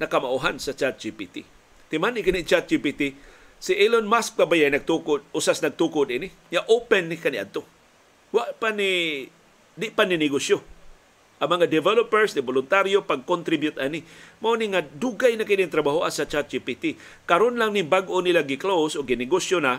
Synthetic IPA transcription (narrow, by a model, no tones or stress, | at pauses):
nɐkɐmaʔuɦansɐt͡ʃat̪̚d͡ʒipit̪i | t̪ɪmanɪkɪnit͡ʃat̪̚t͡ʃipit̪i | sɪʔilonmask̚kabajajnɐɡ̚t̪ukʊd̪̚ʔʊsasnɐɡ̚t̪ukʊd̪inɪ | ŋaʔopɛnːɪkanɪʔa̰d̪̚t̪o | waʔpani | d̪ɪʔpaninɪɡosjo | ʔɐŋmɐŋad̪ɛvɛlopɛɹsnɪbolʊnt̪aɾjopaɡ̚kont̪ɾibjʊt̪ʔanɪmaʔoniŋad̪uɡajnakɪnɪŋt̪ɾɐbaɦoʔasɐt͡ʃat̪̚d͡ʒipit̪i | kɐɾonlaŋnɪŋbaɡʔonilaɡɪklowsʔoɡːɪnɪɡosjona